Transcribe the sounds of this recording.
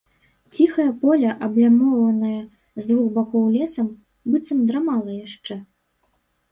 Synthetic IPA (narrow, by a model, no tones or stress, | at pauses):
t͡sʲixɐjɐpɔlʲɐʔɐblʲamɔwvɐnɐjɐ | zd̪vuxbakɔwlʲɛsɐm | bɨt̪sɐmd̪ɾamalˠɐjaʂt͡ʂɛ